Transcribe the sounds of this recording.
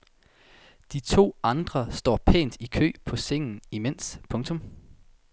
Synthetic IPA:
d̥it͡sʰo̝̰ːɑ̈nd̥ʁɐsd̥ɒ̰ːpʰḛːnd̥ikʰø̰ːpʰɒ̽seŋ̰n̩imen̰spʰɔ̽ŋt͡sʰɔ̽m

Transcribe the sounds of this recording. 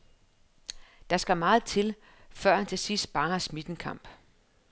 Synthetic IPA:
d̥ɑ̈sɡ̥æmɑ̈ːð̞̩ˠt͡sʰe̝l | fɶɐ̰nt͡sʰe̝sisd̥b̥ɑ̈ŋɐsmid̥n̩kʰɑ̈m̰b̥

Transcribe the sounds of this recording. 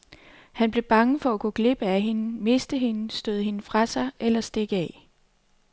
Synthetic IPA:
hænb̥le̝b̥ɑ̈ŋəfɒ̽æɡ̥ɔɡ̥le̝b̥əæɦe̝nəme̝sd̥əɦe̝nəsd̥øð̞ˠhe̝nəfʁɑ̈sɑ̈ɪʔelɐsd̥e̝ɡ̥əɛ

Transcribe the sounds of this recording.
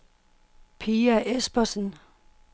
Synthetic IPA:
pʰiːæʔesb̥ɐsn̩

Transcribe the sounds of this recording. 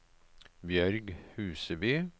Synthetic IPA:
bjæɾɡhʉːsəbeː

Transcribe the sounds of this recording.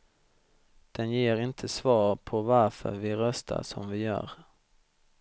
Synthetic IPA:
d̪̥ɛnjeːɾɪnt̪ʰəsvɑːɾpʰɔvaɾfœ̰ɾvɪɾœst̪ʰa̰ʂɔ̰mvɪjœ̰ːɾ

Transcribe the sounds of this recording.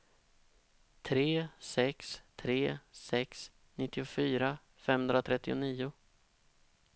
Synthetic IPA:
t̪ʰɾeːsɛkst̪ʰɾeːsɛks | nɪt̪ːɪʊfyːɾa | fɛmhɵnd̪ɾat̪ʰɾɛt̪ːɪʊ̰niːʊ

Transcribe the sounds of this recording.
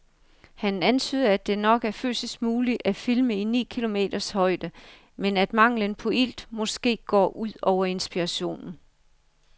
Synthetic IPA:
hænænt͡sʰy̰ːðˠæd̥e̝nɒ̽ɡ̥æɐfø̰ːsəsɡ̥muːliʔæfilməinḭːkʰilo̝me̝̰ːd̥ɐshɒ̽ɪd̥ə | menæd̥mɑ̈ŋ̰lənpʰɒ̽ʔil̰d̥mɒ̽sɡ̥e̝̰ːɡ̥ɒ̰ːʔuð̰ˠɒʊɐe̝nsb̥iʁɑɕo̝̰ːnn̩

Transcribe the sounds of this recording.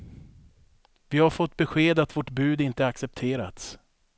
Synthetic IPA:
vɪhaɾfɔt̪ːbɛɧeːd̪at̪vɔʈbʉ̟ːd̪ɪnt̪əaksɛp̚t̪ʰeːɾa̰t̪s

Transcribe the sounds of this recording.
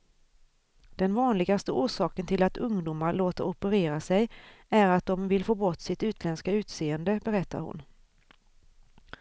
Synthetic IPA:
d̪̥ɛnvɑːnlɪɡast̪əʔuːʂɑːkənt̪ʰɪlat̪ʰɵŋd̪uːmaɾloːt̪a̰ɾɔpəɾeːɾasɛjæɾat̪̚d̪ɔmvɪlfoːbɔt̪ːsɪt̪ʉ̟ːt̪ʰlɛnskaʉ̟ːt̪seːənd̪əbɛɾɛt̪ːa̰ɾhʊ̰n

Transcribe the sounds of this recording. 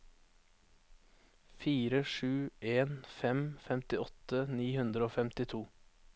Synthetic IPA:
fiːɾəʃʉːʔeːnfɛmfɛmt̪ɪɔt̪əniːhʉnd̪ɾəoːfɛmt̪ɪt̪ʰuː

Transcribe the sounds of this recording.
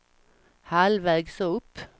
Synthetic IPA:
halvɛːɡsɔɵpː

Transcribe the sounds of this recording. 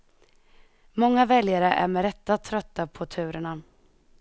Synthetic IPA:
mɔŋːavɛljaɾəʔæ̰ɾmɛɾɛt̪ːat̪ʰɾœt̪ːapʰɔt̪ʰʉ̟ːɾəɳa

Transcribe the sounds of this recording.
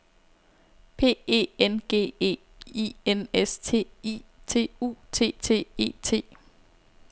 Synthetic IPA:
pʰe̝̰ːe̝̰ːenɡ̥e̝̰ːe̝̰ː | ienest͡sʰe̝̰it͡sʰe̝̰ːṵːt͡sʰe̝̰ːt͡sʰe̝̰ːe̝̰ːt͡sʰe̝̰ː

